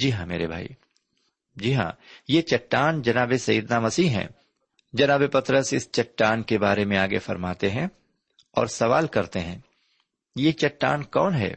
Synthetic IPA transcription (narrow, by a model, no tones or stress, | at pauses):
d͡ʒiːɦãmḛːɾebʱa̰ːḭ | d͡ʒiɦã̰ːjet͡ʃɐʈːaːnd͡ʒɐnaːbesɐjd̪namɐsiːɦɛ̰̃ː | d͡ʒɐnaːbepɐt̪ɾəsɪst͡ʃɐʈːaːnkebaːɾemẽaːɡefɐɾmaːt̪eɦɛ̃ | ɔ̰ːɾsɐʋaːlkɐɾt̪eɦɛ̃ː | jet͡ʃɐʈːaːnkɔːnɦɛ̰ː